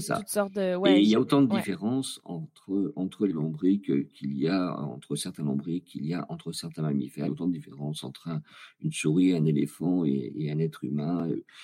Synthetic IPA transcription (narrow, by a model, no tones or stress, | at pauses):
sesa̰seiljaot̪ɑ̃d̪əd̪ifeʁɑ̃sɑ̰̃t̪χəɑ̃t̪χəlelɔ̃bʁikkʲʰilijaɑ̰̃t̪χəsɛʁt̪ɛ̃lɔ̰̃bʁikʰːilijaʔɑ̃t̪χəsɛʁt̪ɛ̃mamḭfɛot̪ɑ̃d̪əd̪ifeʁɑ̃sɑ̰̃t̪χɛ̃ynsuʁiɛ̃nelefɑ̃ḛḛɛ̃nɛt̪χy̰mɛ̃ø̰